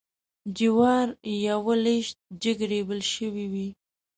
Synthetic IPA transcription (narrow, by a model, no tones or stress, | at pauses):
d͡ʒiwɑɾjawəleʃt̪̚d͡ʒəɡɾebəlʃəwiwi